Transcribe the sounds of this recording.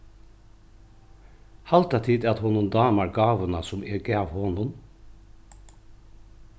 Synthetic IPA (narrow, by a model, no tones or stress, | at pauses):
hɑlt̪at̪ʰiːd̪at̪hɔnʊnd̪ɑːmaɾɡɑːʋənasʊmɛɡɛːʋhɔnʊn